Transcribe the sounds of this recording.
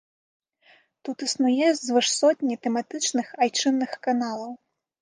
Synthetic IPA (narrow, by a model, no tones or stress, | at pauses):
t̪ut̪ɨsnujɛzzvɨʂsɔt̪ʲnʲit̪ɛmat̪ɨt͡ʂnɨxajt͡ʂɨnːɨxkanalˠɐw